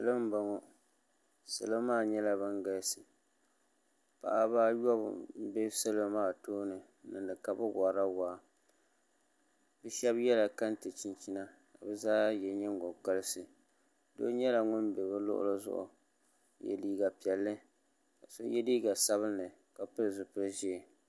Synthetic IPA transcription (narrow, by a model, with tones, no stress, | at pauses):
sɨ˨lɨ˦m˦ba˨ŋɔ˦ | sɨ̰˨lo˦maː˦˨ɲɛ˦la˦bɨ˦ŋɡa˦lsɨ˨ | pa̰˨ʔa˦baː˦jɔ˦b̰bɛ˦sɨ˦lo˦maː˦˨toː˦nɨ˨ | nɨ˨dɨ˨ka˨bɨ˦ɡa˨ɾa˦waː˨˦˨ | bɛ˦ʃɛ˦bjɛ˦la˨ka˦n˦tɨ˨t͡ʃi˦nt͡ʃi˦na˦ | ka˨bɛ˦zaː˦jɛ˨ɲɛ˦ŋ˦ɡo˨ka˦lɨ˦sɨ˨ | do̰˦ɲɛ˦la˨ŋʊ˦nbɛ˨bɨ˦lʊ̰˦ʔʊ̰˦lɨ˦zʊ̰˦ʔʊ̰˨ | jɛ̰˨liː˦ɡa˨pi˨ɛ˨lːɨ˦ | ka˨so̰˦jɛ˦diː˦ɡa˨sa˦βɨ˦nːɨ˨ | ka˨pɨ˦ɾzʊ˨pɨ˦ʒi˦˨